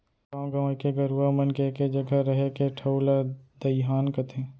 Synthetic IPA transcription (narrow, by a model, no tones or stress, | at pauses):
kãːɡɐːkeɡɐɾuamənkeked͡ʒɐɡaɾɐɦekeʈʰɐʊlad̪ɐjɦaːnkət̪ʰẽː